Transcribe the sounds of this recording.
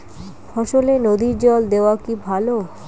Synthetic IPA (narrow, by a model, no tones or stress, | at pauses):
fʰɔʃolenod̪iɾd͡ʑɔld̪eoakibʱalo